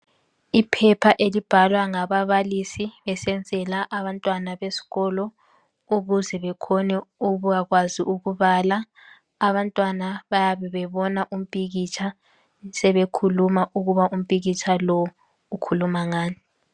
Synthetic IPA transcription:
ipʰɛpʰaʔelib̥ʱalwaŋaβaβalisiβɛsɛnd͡zʱɛlaʔaβantʼwanaβesi̥ɣɔlɔ | uɣuzɛβɛkʰɔnɛuβuɣaɣwaziʔuɣuβalaː | βantʼwanaβajaβɛβɛβɔnaʔum̩pʼiɣit͡ʃʼʰa | sɛβekʰulumaʔuɣuβaʔum̩pʼiɣit͡ʃʰalɔw | ukʰulumaŋaːni

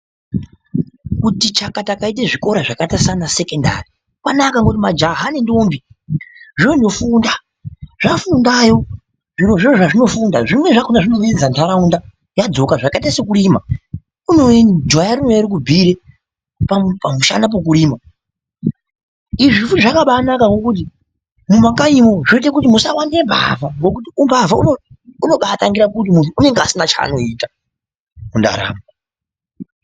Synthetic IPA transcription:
kutit͡ʃakatakait̬eʐiko̞ɾaʐakatasanase̞kenda̰ri | kwanakaŋɡot̬imad͡ʒaɦanendoːmbi | ʐinondofunda | ʐ̥afundajo̞ | ʐiɾo̞ʐiroʐaʐino̞fundaʐimwe̞ʐakonaʐinomeend͡zantʰaɾaunda | jad͡zo̞kaʐakaitasekuɾima | uno̞endʱwajaruneɾik̬ubʱiɾe | papamuʃa̰nap̬ok̬uɾiːma | iʐifutiʐakaɓanakaŋɡo̞kut̬i | mumakaimo̞ʐoit̬ekutimusawandiemba̰vaŋɡo̞k̬utiumbavauno | uno̞ɓataŋɡiɾakut̬imuntʰuːne̞ŋɡasinat͡ʃa̰ːno̞iːta | munda̰ɾa̰ːma

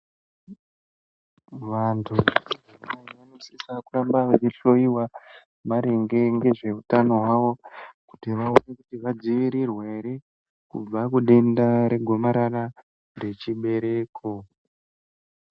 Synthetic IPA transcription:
ʋantʰuanaiʋanosiisakurambaʋet͡ʃiɬo̞iwa | maɾeŋɡe̞ŋɡe̞ʐe̞utano̞ɦwaʋo̞ku̥tiʋaone̞kutiʋad͡ziʋiɾirweiɾe | kṵb͡vakuɗe̞ndaɾe̞ɡʱo̞maɾara | re̞t͡ʃiɓe̞ɾe̞ːkʰo

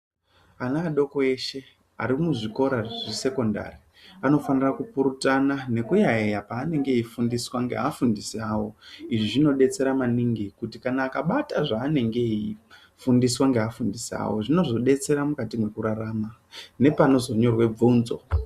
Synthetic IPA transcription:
anaːɗo̞ko̞e̞ʃe̞ | a̰ɾimuʐiko̞ɾaʐise̞ko̞nda̰ri | ano̞fanirakupuɾutanane̞kujaejapaːne̞ŋɡe̞ifundiswaŋɡe̞̰afundisiaːwo̞iʐiʐino̞ɗe̞t͡se̞ɾamaniŋɡikutikanaːkaɓataʐaːne̞ŋɡe̞i | fundiswaŋɡeafundisa̰wo̞ʐino̞zo̞ɗe̞t͡se̞ɾamukatimwe̞kuɾaɾaːmane̞pano̞zo̞ɲo̞rwe̞b͡vuːnzo̞̰

